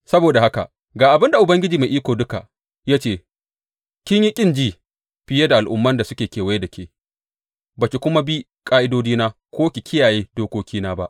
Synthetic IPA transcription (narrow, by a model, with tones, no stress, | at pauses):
sɐ˦boː˨da˨ha˦ka̰˨ | ɡaː˨ʔa˨bɪ˦nda˨ʔʊ˨bɐ˦ŋɡʲɪ˦d͡ʒiː˨meː˨ʔiː˦kʷoː˨dʊ˦ka˨ʔ | jaː˦t͡ʃeː˦˨ | kʲɪ˦ɲji˦kʲʼɪ˦˨nd͡ʒiː˦ | ɸɪ˦je˦da˨ʔa˨lʔʊ̰˦mːɐ˦nda˨sʊ˦kʲeː˨kʲeː˨wa˦je˦dɐ˨kʲʰeː˨ | baː˨kʲi˨kʷʊ˦ma˦bi˦ | kʼaː˦ʔɪ˦doː˦d͡ʒiː˦naː˦ | kʷʰoː˦kʲi˨kʰʲɪ˦jaː˨jeː˦doː˦kʷoː˦kʲiː˦naː˦ba˦ʔ